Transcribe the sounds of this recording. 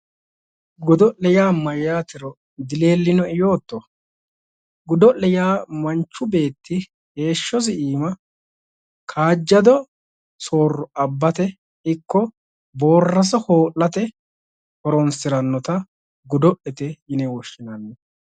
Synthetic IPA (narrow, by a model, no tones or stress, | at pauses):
ɡɔd̪ɔʔɛjaːmɐjːaːt̪ɪɾɔ | d̪ɪle̞ːlːɪnɔɪjoːt̪ːɔ | ɡʊd̪ɔʔɛjaːmɐnt͡ʃːʊbe̞ːt̪ːɪ | he̞ːʃːɔsɪiːmɐ | kʰaːd͡ʒːɐd̪ɔ | so̞ːrːɔɐbːɐt̪ɛ | ɪkːɔ | bo̞ːrːɐs̬ɔho̞ːʔːɐt̪ɛ | hɔɾɔnsɪɾɐnːɔt̪ɐ | ɡʊd̪ɔʔɛt̪ɛjɪnɛwɔʃɪnɐnːɛ